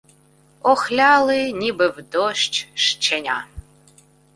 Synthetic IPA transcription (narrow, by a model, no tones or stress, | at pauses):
ɔxlʲaːlɨnʲibɨvd̪oʃt͡ʃʃt͡ʃʰɛnʲa